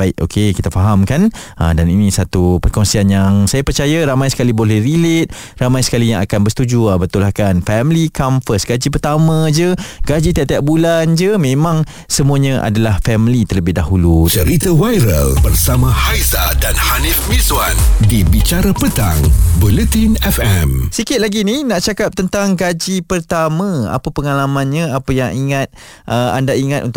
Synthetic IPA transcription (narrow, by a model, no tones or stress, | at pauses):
baɪʔʔo̰kʰekit̪afaɦamkan | ə̰daninĩsat̪upərkɔŋsianjaŋsajapərt͡ʃajaɾamajsə̥kalibolɛhrilet̪̚ | ramajsə̥kalijaŋakanbəsə̥t̪ud͡ʒuabət̪ulahkanfɛmlikamfəsɡad͡ʒipərt̪amə̃d͡ʒəɡad͡ʒit̪iaʔ̚t̪iaʔ̚buland͡ʒəmẽmãŋ | səmuaɲə̃ʔa̰dalahfɛmlit̪ərləbɪhdaɦulut͡ʃəɾit̪awajɾə̰lbərsamãhajzadanhanifmiswandibit͡ʃaɾapət̪a̰ŋbulət̪inɛfɛmsikɪt̪̚laɡininãʔt͡ʃakap̚t̪ənt̪aŋɡad͡ʒipərt̪amə̃a̰papəŋalamãnɲãapəjaŋiŋat̪̚ʔəa̰ndaiŋat̪ʔṵnt̪